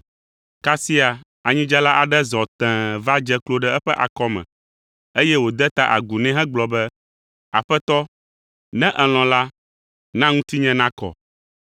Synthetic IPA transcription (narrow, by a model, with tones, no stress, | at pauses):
ka˦si˦a˨ | a˨ɲĩ˦d͡ʒa˦la˦ʔa˨ɖɛ˦zɔ˨t̪ɛ̃˨va˦d͡ʒɛ˦klo˦ɖɛ˦ɛ˦ɸɛ˦ʔa̰˨kɔ˦mɛ̰̃˨ | e˦jɛ˦wo˨d̪ɛ˦t̪a˦ʔa̰˨ɡu˨nɛ̃˦ɦɛ̃˦ɡ͡blɔ˨bɛ˦ | a̰˨ɸɛ˦t̪ɔ˦ | nɛ̃˦ʔɛ˨l̃ɔ̃˨la˦ | nã˦ŋũ˦t̪i˦ɲɛ̃˦nã˦kɔ̰˨